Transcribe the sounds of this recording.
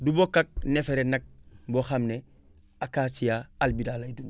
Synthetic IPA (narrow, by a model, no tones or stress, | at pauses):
dubokːak̚nefeɾenak̚boxamne | akasijaalbidalajdun